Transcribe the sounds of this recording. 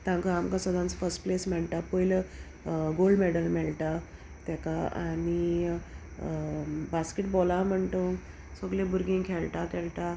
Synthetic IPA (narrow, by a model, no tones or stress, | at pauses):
t̪ãŋkaamkasəd̪ʱãnt͡səfəɾsʈplesmɛɭt̪apəjlə | ɡoɭɖmeɽəlmɛɭʈ̪a | t̪jakaa̰ñi | baskeʈ̚bolam̤əɳt̪o | səɡlẽbuɾɡĩŋkʰeɭʈ̪at̪eɭʈ̪a